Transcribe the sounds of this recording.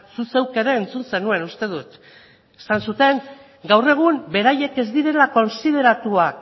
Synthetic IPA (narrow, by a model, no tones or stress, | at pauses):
susewkeɾeːnt͡sunse̞nue̞nust̪e̞ðut̪ | e̥sansut̪e̞ŋ | ɡawre̞ɣ̞umbe̞ɾaje̞ke̞zd̪iɾe̞lako̞nsið̞e̞ɾat̪uak